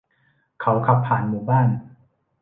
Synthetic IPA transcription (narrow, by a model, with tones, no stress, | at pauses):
kʰa˦˥wkʰa˧pʰːaː˨˩nmuː˨˩˦baː˥˩n